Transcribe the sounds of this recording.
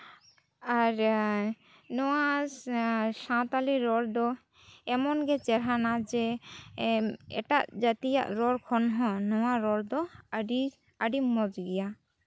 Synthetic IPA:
aɾ | nɔwa | sãt̪aliɾɔɽd̪ɔ | ɛmɔnɡɛt͡ʃɛɾɦanad͡ʒɛ | ɛ̰ʈaʔd͡ʒat̪ija̰ʔɾɔɽkʰɔnɦɔ̃nɔwaɾɔɽd̪ɔɖi | aɖimɔd͡ʒɡɛja

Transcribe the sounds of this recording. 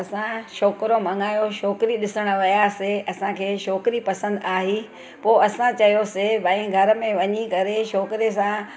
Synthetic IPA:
ɐsãʃoːkɾomɐ̃ŋaːjoʃoːkɪɾiɗɪsəɽ̃ʋɐjaːseɐsãkʰeːʃoːkɪɾipɐsə̃nd̪aːɦi | poːɐsãt͡ɕɐjosebɐĩɡʱɐɾəmẽʋɐɲikɐɾeʃɔːkɪɾes̬ã

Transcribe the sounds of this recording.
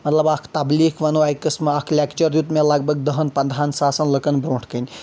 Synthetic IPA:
mɐt̪lɐbakʰt̪abliːkʰʋɐnoɐjkɐsmɐakʰlʲakt͡ʃəɾjut̪melaɡ̚bɐɡ̚d̪ɐɦɐnpɐnd̪ʱɦaːnsaːsɐnlɐkɐnbɾoːɳʈʰkɐnʲ

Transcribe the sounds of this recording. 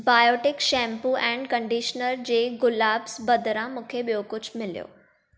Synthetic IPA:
baːjoːʈɪkʃɛ̃ːmpuʔɛ̃ːɳɖkɐ̃ɳɖiːʃnəɾd͡ʑeːɡʊlaːbsbɐd̪ɾãmũːkʰeɓijokʊd͡ʑʱmɪlijo̰ː

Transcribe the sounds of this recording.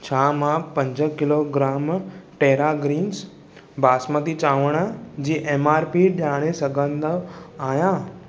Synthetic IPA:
t͡ɕʰaːmãpə̃ɲd͡ʑəkɪloɡɾaːmʈeːɾaɡɾiːns | baːsmət̪it͡ɕaːʋəɽ̃d͡ʑiːʔeːmaːɾpiɗaːɽ̃esəɡʱə̃nd̪aːjãː

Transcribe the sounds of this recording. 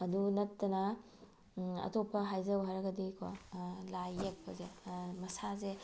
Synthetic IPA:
ɐdunɐtːɐnɐ | ɐ̰topʰːɐɦajzɐwɦaɾɐɡɐdikʰo̰lajek̚pʰɐzemɐsaze

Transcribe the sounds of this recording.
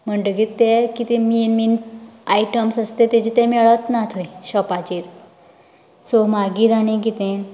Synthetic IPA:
m̤əɳɖəɡit̪ːekit̪imiːnminaiʈəmsəst̪et̪ɛd͡ʑit̪ɛmɛɭət̪nat̪ʰəjɕɔpat͡ɕiːɾ | somaɡiːɾañekit̪eɳ

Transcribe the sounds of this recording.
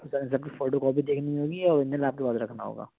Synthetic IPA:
ʊsaɪ̃ns̬ɐb̚kifɔːɖokɔːbʱid̪eːkʰniĩɦoːɡiɛɔːɾɪ̃nd̪əlaːp̚kebaːt̪ɾɐkʰnaɦo̰ːɡa̰ː

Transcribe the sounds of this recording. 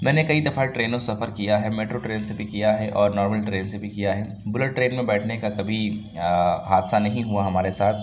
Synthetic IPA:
mɛ̃ːnekɐid̪ɐfaʈɾeːnõsɐfəɾkijaɦɛmeːʈɾoʈɾeːnsebʱikijaɦɛʔɔːɾnɔːɾməlʈɾeːnsebʱikijaɦɛ | bʊləʈ̚ːɾeːnmẽbɛːʈʰnekakɐbʱi | ɦaːd̪sanɐɦĩɦuaɦɐmaːɾesaːt̪ʰ

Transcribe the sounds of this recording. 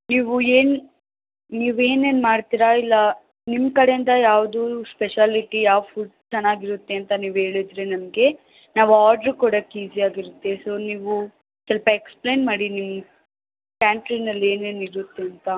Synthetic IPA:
niːʋueːn | niːʋeːne̞ːnmaːɽt̪iːɾailːɐ | nimːkɐɽeind̪ɐjaːʋd̪uspeʃaːliʈijaːʋfʰuːɖt͡ʃɛnːaːɡiɾut̪ːeɐnt̪ɐniːʋe̞ːɭid̪ɾenɐmɡe̞ | naːʋaːɾɖɐɾkuːɽɐkːiːziaːɡiɾut̪ːeso̞ːniːʋu | sɐlpɐeksple̞ːnmaːɽinimː | kaːɳʈɾinɐlːe̞ːneːniɾut̪ːeɐnt̪ɐ

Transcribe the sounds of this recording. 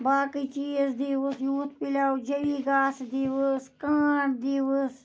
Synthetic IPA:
baːkit͡ʃiːzd̪iːʋəsjuːt̪pilaːwd͡ʒɐʋiːɡaːsd̪iːʋəskaːʈd̪iːʋəs

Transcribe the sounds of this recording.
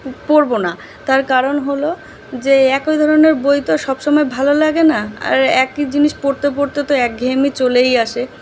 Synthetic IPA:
poɾbona | t̪aɾkaɾonɦolo | d͡ʑeɛkojd̪ʱɔɾoneɾbojt̪oʃɔbʃɔmɔebʱalolaɡenaa̰ɾɛkid͡ʑiniʃpoɾt̪ep̬oɾt̪et̪oɛk̚ɡʱemit͡ɕolejaʃe

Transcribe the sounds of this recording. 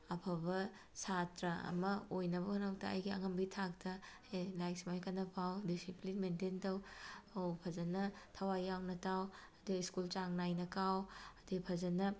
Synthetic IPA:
ɐpʰɐbɐ | satɾɐɐ̰mɐojnɐbɐkʰɐnɐw̚tɐɐ̰jɡiɐ̰ŋɐmbitʰak̚tɐ | elajksimajkɐnːɐpʰawdisiplinmententɐwowpʰɐzɐnɐtʰɐwajawnɐtawɐdiiskult͡ʃaŋnajnɐkawɐdipʰɐzɐnɐ

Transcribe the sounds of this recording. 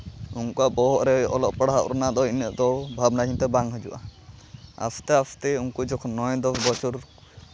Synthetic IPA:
uŋkuaʔbɔɦɔʔɾɛɔlɔʔpaɽaɦaʔɾɔnaʔd̪ɔwinəʔd̪ɔwbʱabnaɦint̪ɛbaŋɦɔd͡ʒuʔa̰ | a̰sʰt̪ɛapt̪ɛuŋkud͡ʒɔkʰɔnːɔjd̪ɔpʰbɔt͡ʃuɾ

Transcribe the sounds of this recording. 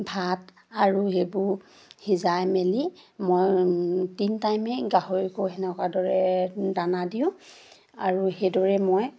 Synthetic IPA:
bʱat | aɹuɦebʊɹ | hizajmelimojtintajmɛɡaɦoɹikɔɦɛnɛkwadɔɹɛdanadiʊ̃ | a̰ɹuhedɔɹɛmoj

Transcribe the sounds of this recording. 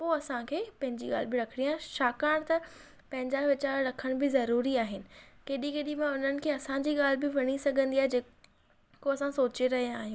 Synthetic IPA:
poːɐsãkʰeːpɐ̃ɦɪ̃ɲd͡ʑiɠa̰ːl̤ɪbɪɾɐkʰɪɽijaːɦẽʃaːkaːɽ̃t̪ɐ | pɐ̃ɦɪ̃ɲd͡ʑaʋɪt͡ɕaːɾɾɐkʰəɽ̃bɪzɐɾuːɾiaːɦɪnɪ̆keːɗĩkeːɗĩmẽʊn̤ənɪ̆kʰeːɐsãɲd͡ʑiːɠaːl̤ɪbɪʋɐɽ̃isɐɡʱə̃nd̪iaːɦed͡ʑeː | koɐsãsoːt͡ɕeɾɐɦijãaːɦijũː

